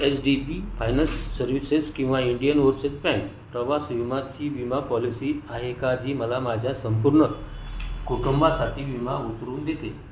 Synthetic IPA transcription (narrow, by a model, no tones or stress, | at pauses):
esɖibifajnəsːəɾʋiseskĩw̃ʋaiɳɖijənʋoɾset̪̚pɛ̃ɳk | pɾəʋasʋimat͡ɕiːʋimapɔlisiːaɦekad͡ʑiːməlamad͡ʑʱjasəmpuɾɳə | koʈumbasaʈʰiːʋimaut̪ɾuːnd̪et̪e